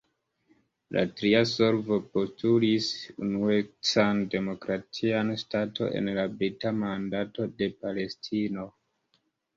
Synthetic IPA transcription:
lʔa̰tɾiaso̞lvo̞po̞stʰulisunuet͡sande̞mo̞kɾatʰianstatʰo̞̰ʔḛnlabɾitamandato̞de̞pale̞stʰino̞

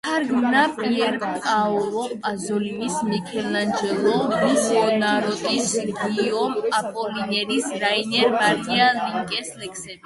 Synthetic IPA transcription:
aɾɡmnapʼiɛɾkʼaɔlˠɔazɔlimismikʰɛland͡ʒɛlˠɔmisɔnaɾɔt̪ʼisɡiɔmapʼɔlinɛɾisɾainɛɾmaɾialiŋkʼɛslɛkʰsɛbi

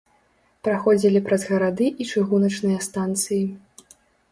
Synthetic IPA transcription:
pɾaxɔd͡zʲilʲipɾɐzɣɐɾad̪ɨʔit͡ʂɨɣunɐt͡ʂnɨjɐst̪ant̪sɨji

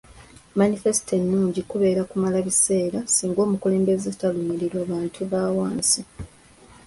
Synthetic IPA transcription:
manife̞si̥te̞nːuːɲɟikuβe̞ːɾakumalaβise̞ːɾasiːŋɡo̞ːmukule̞ːmbe̞zetalumeɾiɾwaːβaːntʰuβaːwaːnsi

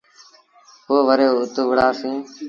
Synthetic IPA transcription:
koːʋəɾeːʊt̪ʊʋəɽaːsĩː

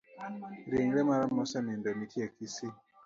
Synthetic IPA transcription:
ɾeŋɾɛmaɾamɔsɛmindɔnikʰiɛkisi

